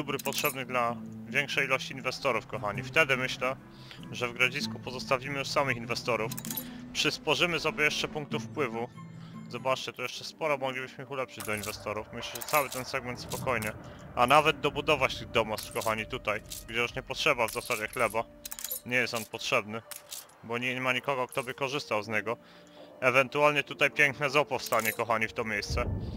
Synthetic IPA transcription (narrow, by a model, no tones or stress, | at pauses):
ubɾɘpɔtʂɛbnɘɣd̪lavʲjɛŋkʂɛjilɔɕt͡ɕiːnvɛst̪ɔɾufkɔxaɲift̪ɛd̪ɘmɘɕlɛ | ʐɛvɡɾad͡ʑiskupɔzɔst̪avʲimɘjuʂsamɘxinvɛst̪ɔɾufpʂɘsfɔʐɘmɘsɔbʲjɛjɛʂt͡ʂɛpuŋk̚t̪ufpwɘvu | zɔbat͡ʂt͡ɕɛt̪ɔjɛʂt͡ʂɛspɔɾɔmɔɡlʲibɘɕmɘixulɛpʂɘd͡ʑd̪ɔinvɛst̪ɔɾufmɘɕlɛʐɛt̪sawɘt̪ɛnsɛɡmɛnt̪spɔkɔjɲɛ | ʔanavɛd̪̚d̪ɔbud̪ɔvat͡ɕt̪ɘɣd̪ɔmast̪fkɔxaɲit̪ut̪ajɡd͡ʑɛjuʂɲɛpɔtʂɛbavzasad͡ʑɛxlɛba | ɲɛjɛst̪ɔnpɔtʂɛbnɘ | bɔɲɛɛmaɲikɔɡɔk̚t̪ɔbɘkɔʐɘst̪awzɲɛɡɔ | ɛvɛnt̪ualɲɛt̪ut̪ajpʲjɛŋknɛzɔpɔfst̪aɲɛkɔxaɲift̪ɔmʲjejst̪sɛ